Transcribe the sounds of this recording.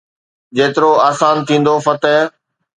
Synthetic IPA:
d͡ʑeːt̪ɪɾoaːsaːnt̪ʰĩːn̆d̪ofɐt̪ɛː

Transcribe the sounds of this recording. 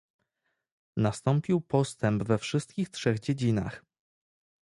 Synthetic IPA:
nast̪ɔmpʲiwpɔst̪ɛmbvɛfʂɘst̪̚kʲixtʂɛɣd͡ʑed͡ʑina̰x

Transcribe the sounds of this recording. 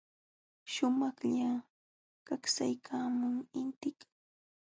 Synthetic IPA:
ʃʊmɑχʎa | kaksajkʰaːmʊŋɪnt̪ɪk

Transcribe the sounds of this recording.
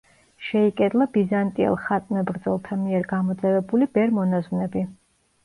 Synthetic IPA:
ʃɛikʼɛd̪lˠabizant̪ʼiɛ̰lˠχat̪ʼnɛbɾd̪zɔlˠt̪ʰamiɛɾɡamɔd̪zɛvɛbulibɛɾmɔnazvnɛbi

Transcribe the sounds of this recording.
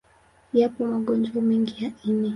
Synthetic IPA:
japɔmaɠɔnd͡ʒwamɛŋɡijainɛ

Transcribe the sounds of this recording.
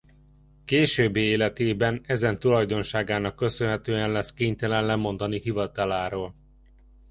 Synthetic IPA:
keːʃøːbːeːeːlɛt̪eːbɛnɛzɛnt̪ulɒjd̪o̞nʃaːɡaːnɒkːø̞sønɦɛt̪øːɛnlɛskeːɲt̪ɛlɛnlɛmo̞nd̪ɒnihivɒt̪ɒlaːɾoːl

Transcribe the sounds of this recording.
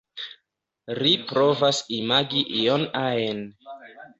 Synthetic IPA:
ɾipɾovasimaɡiʔijonaen

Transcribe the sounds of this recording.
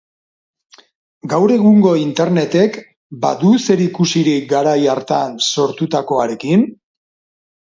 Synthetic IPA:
ɡawɾe̞ɣuŋɡo̞int̪e̞ɾne̞t̪e̞k | ba̰ðuse̞ɾikusiɾiɡaɾajaɾt̪anso̞ɾt̪ut̪ako̞aɾe̞kin

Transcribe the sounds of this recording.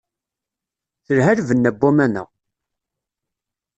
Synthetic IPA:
θəɾɦæɾvənːæbːumænə̰ʁ

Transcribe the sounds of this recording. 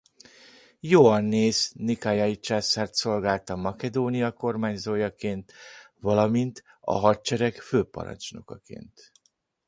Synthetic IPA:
joːɒnːeːznikajajit͡ʃaːsaːrt̪so̞lɡaːlt̪ɒmːɒkɛd̪oːnijɒko̞rmaːɲzoːjɒkeːnt̪ | vɒlɒmint̪ | ɒ̰ɦɒtt͡ʃɛɾɛkføːpɒ̰ɾɒ̰nt͡ʃno̰kɒkḛːnt̪

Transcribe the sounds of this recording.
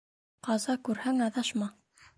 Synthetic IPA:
qɑzɑkʉɾhæŋɑðɑʃmɑ

